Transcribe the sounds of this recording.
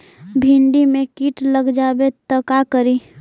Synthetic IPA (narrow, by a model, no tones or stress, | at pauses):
bʱɪ̃ɳɖimẽkiːʈləɡd͡ʒaːbet̪əkakəɾiː